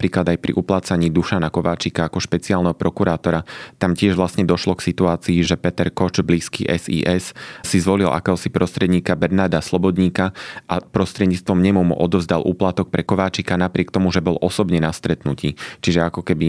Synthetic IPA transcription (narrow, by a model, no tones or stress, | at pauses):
pɾiːklad̪ajpɾḭʔuplaːt͡saɲiːd̪uʃanakɔʋaːt͡ʃikaakɔʃpɛt͡siaːlnɛɦɔpɾɔkuɾaːt̪ɔɾat̪amcɪɛʒʋlast̪ɲɛd̪ɔʃlɔksit̪uaːt͡siːʒɛpɛt̪ɛɾkɔt͡ʃbliːskḭʔɛzḭːʔɛssizʋɔlilʔa̰kɛːɦɔsipɾɔst̪ɾɛd̪ɲiːkabɛɾnaːɾd̪aslɔbɔd̪ɲiːkaʔapɾɔst̪ɾɛd̪ɲiːt͡st̪ʋɔmɲɛmumṵʔɔd̪ɔvzd̪alʔṵːplat̪ɔk̚pɾɛkɔʋaːt͡ʃikanapɾɪɛkt̪ɔmuʒɛbɔlʔɔsɔbɲɛnast̪ɾɛt̪nucḭːt͡ʃiʒɛakɔkɛbi